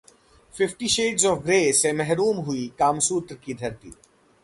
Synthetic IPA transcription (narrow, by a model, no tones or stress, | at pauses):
fɪfʈiʃeːʈzɔːfɡɾeːsemɛɦɾuːmɦʊikaːmsuːt̪ɾkid̪ʱɐɾt̪ḭː